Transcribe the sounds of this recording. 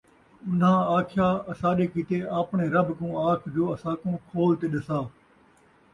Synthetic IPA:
ʊnɦãːaːkʰjaːɐsãːɗeːkit̪eːaːpɳ̃eːɾɐbkũːaːkʰd͡ʒoːɐsãːkũːkʰoːlt̪eːɗɪsaː

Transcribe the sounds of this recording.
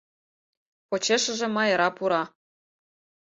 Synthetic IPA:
pot͡ɕeʃə̆ʒĕmɑjɤɾɑpuɾɑ

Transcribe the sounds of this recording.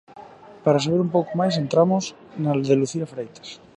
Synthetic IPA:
paɾas̬aβ̞eɾumpowkomajs̬ent̪ɾamos | nalðeluθiafɾejt̪ḁs

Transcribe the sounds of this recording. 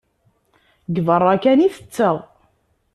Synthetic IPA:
ɡvərˤːækæniθə̥t͡sːəð

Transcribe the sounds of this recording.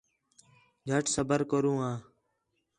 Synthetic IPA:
d͡ʒʱəʈʰsəbəɾkəɾũːãː

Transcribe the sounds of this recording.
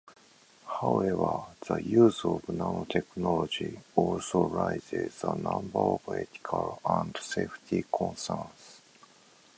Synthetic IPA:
haʊevəð̥əjuːzovnanot̪ʰeknɔlod͡ʒiolsoɹaɪzezənãmbə˞opet̪i̥kʰalãndseft̪ʰikʰɔ̃nsəns

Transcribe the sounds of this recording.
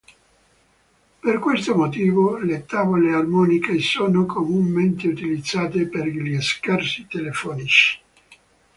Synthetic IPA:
perkwest̪omot̪iːvolet̪aːvolearmɔːnikesoːnokʰomumːent̪eut̪ilid̪zːaːt̪eperʎiskarsit̪elefɔːnit͡ʃi̥

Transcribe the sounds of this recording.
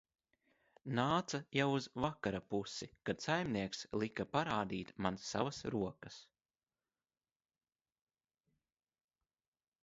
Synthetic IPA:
naːt̪sajawuzvakaɾapusikad̪sajmniɛkslˠikapaɾaːd̪iːt̪mansːa̰vasɾuɔkɐs

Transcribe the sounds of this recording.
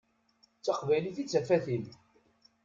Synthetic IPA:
t͡sːaqvæjliθit͡sːæfæθim

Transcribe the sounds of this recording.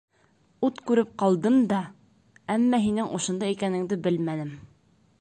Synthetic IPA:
ut̪kʉɾɘp̚qɑlˠd̪ɤmd̪ɑ | æmːæɦinɘŋʔŏʃŏnd̪ɑjikænɘ̆ŋd̪ɘbɘlmænɘm

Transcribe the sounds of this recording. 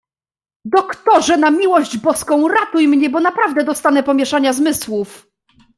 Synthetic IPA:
d̪ɔkt̪ɔʐɛnamʲiwɔʑd͡ʑbɔskɔ̃w̃ɾat̪ujmɲɛbɔnapɾavd̪ɛd̪ɔst̪anɛpɔmʲjɛʂaɲazmɘswuf

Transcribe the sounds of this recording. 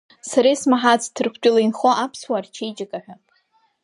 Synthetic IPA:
saɾejsmaħat͡sʰtʰɨrkʷʰt͡ʃʲʷʼʊlainχoʔapʰswart͡ʃʰejd͡ʒʼɪkʼaħʷᶣa

